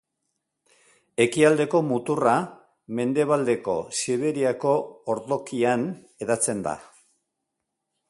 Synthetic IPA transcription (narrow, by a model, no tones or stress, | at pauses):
e̞kiald̪e̞ko̞mut̪ura | me̞nd̪e̞β̞ald̪e̞ko̞̰siβe̞ɾiako̞ːɾðo̞kian | e̞ðat͡se̞nd̪a̰